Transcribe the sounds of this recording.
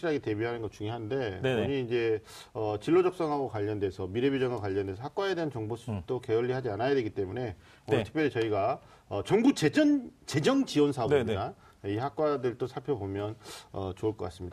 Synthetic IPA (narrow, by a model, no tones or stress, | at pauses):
ɕʰiɾaɡete̞biɦanɯnɡʌt͡ɕuŋjoɦande̞kɯɾʌɲiːnd͡ʑe̞ | ʌt͡ɕiɭːod͡ʑʌk̚s͈ʌŋɦaɡokwaʎːʌndwe̞sʰʌmiɾe̞bjod͡ʑʌŋɡakwaʎːʌnde̞sʰʌhak͈waede̞ɦant͡ɕʌŋbosʰut͈oke̞ʌʎːihad͡ʑianajadwe̞ɡit͈e̞mune̞ | ontʰkp͈jʌɾet͡ɕʌiɡa | ʌt͡ɕʌŋbut͡ɕed͡ʑʌnt͡ɕe̞d͡ʑʌŋt͡ɕiwʌnsʰaʌimda | eihak͈̚wadɯɭt͈osʰaɭpʰjʌbomjʌnʌt͡ɕoɯɭk͈ʌk͈as͈ɯmɲidaa